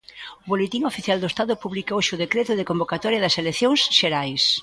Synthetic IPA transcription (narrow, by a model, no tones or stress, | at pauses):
ʊβolet̪iŋofiθjald̪oest̪aðʊpuβlikoʃʊðekɾet̪ʊðɪkombokat̪ɔɾjɐðɐseleθjoŋsʃeɾajs